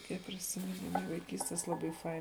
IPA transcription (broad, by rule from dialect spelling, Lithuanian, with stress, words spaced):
ˈkʲiɛk pʲrʲɪsʲɪmʲɪˈnʲɪmʊ ʋɐɪˈkʲiːsʲtʲɛs ˈlˠɑːbɐɪ ˈfɐɪn